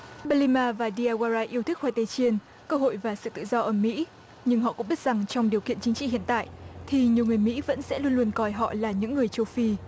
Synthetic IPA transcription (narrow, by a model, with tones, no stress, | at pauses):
ɓa˧li˧maː˧vaː˨˩ɗi˧aː˧ɣwaː˧zaː˧ʔi˧əwt̪ʰi˦˥k̚wa˧˩jt̪e˨˧˦t͡ɕi˧ən | kəː˧ɦo̰˧˨jvaː˨˩sɨ̰˧˨t̪ɨ̰˧˨zɔ˧ʔəː˧˩mḭ˧˥ | ɲɨ˧ŋɦɔ̰˧˨kʊ̰˧˥ŋ͡mɓi˦˥t̚z̥a˨˩ŋt͡ɕɔ˧wŋ͡mɗi˨˩əkḭ˧˨ənt͡ɕï˨˦ŋt͡ɕḭ˧˨ɦḭ˧˨ənt̪a̰ː˧˨jʔt̪ʰi˨˩ɲi˨˩əwŋɨ˨˩əjmḭ˧˥və̰˧˥nsɛ̰˧˥lu˧ənlu˧ənkɔ˨˩jɦɔ̰˧˨laː˨˩ɲɨ̰˧˥ŋːɨ˨˩əjt͡ɕo˧wfi˧